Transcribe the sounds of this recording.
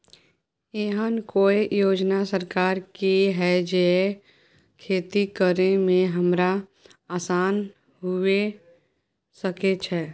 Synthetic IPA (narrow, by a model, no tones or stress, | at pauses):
eːɦənkoːejoːd͡ʒnasəɾkaːɾkiɦɛd͡ʒee | kʰeːt̪ikəɾemẽɦəmɾa | aːsaːn | ɦue | səket͡ʃʰɛː